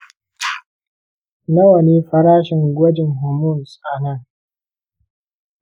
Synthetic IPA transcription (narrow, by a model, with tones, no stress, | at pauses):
na˦wɐ˨niː˦ɸɐ˦ɾaː˦ʃɪ˨ŋɡʷɐ˦d͡ʒɪ˨ŋɦʊ˨mʊ˦˨nsʼaː˨na˦˨